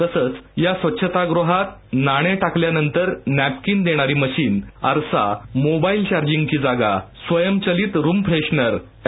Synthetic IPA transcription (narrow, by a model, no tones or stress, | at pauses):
t̪əsəːt͡sjasʋətːɕʰət̪aɡɾoɦat̪naɽ̃eʈakljanənt̪əɾnæp̚kiːnd̪eɽ̃aɾiːməɕiːnə̰ɾsa̰mobailt͡ɕaɾd͡ʑiŋɡt͡ɕiːd͡zaɡasʋəjəmt͡ɕəliːt̪ɾuːmpɾeɕnəɾ